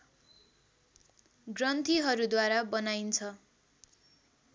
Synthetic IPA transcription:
ɡrʌnt̪ʰiɦʌɾud̪waɾabʌnajnt͡sʰʌ

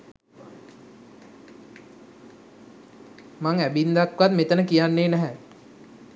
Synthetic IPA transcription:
maŋæbind̪akʋat̪met̪ənəkijanːeːnæɦɛ

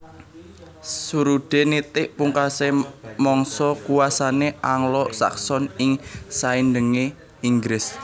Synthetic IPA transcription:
suɾuɖ̥enit̪ɪʔpuŋkasemɔŋsɔkuwasaneʔaŋlɔʔsa̰ksɔnɪŋsainɖəŋe | iŋɡɾɪs

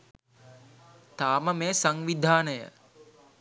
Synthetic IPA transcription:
t̪aːməmeːsaŋʋid̪ʱaːnəjə̰

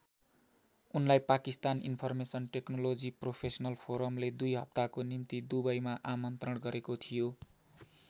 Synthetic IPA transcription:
unlajpakist̪aninpʰʌrmesʌnʈeknolod͡zipropʰesʌnʌlpʰoɾʌmled̪ujɦʌ̰p̚t̪akonimt̪id̪ubʌjmaʔamʌnt̪rʌɽɡʌɾekot̪ʰijo

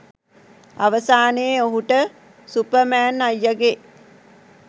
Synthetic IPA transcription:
a̰ʋəsaːneːoɦuʈə | supəmæːnajːaɡe

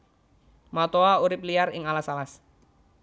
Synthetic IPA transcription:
mat̪oauɾɪp̚liaɾɪŋalasalas

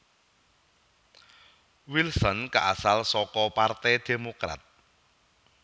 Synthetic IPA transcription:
wilsɔnkaʔasalsɔkɔpart̪ɛd̪̥e̤mokɾa̰t̪̚

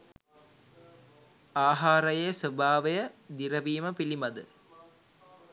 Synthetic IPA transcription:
aːɦaːɾɐjeːsəbʱaːʋejəd̪iɾɐʋiːməpilimɐd̪ɨ

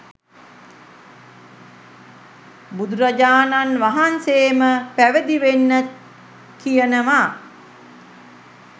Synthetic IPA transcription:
bud̪uɾad͡ʒaːnanʋaɦanseːməpæʋəd̪iʋenːə | kijənəʋa

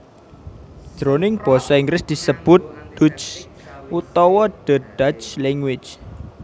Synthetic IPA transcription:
d̪̥ɾonɪŋb̥ɔsɔiŋɡɾɪsd̪̥i̤səb̥ʊ̤t̪̚d̪̥ut͡ʃ | ʔut̪ɔwɔɖ̥ə̤ɖ̥at͡ʃlɛŋwɪt͡ʃ

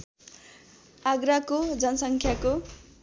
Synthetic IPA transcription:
aɡɾakod͡zʌnʌsʌŋkʰjako

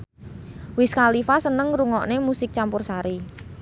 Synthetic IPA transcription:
wɪskalifasənəŋɾuŋɔʔnemusɪk̚t͡ʃampʊrsaɾi

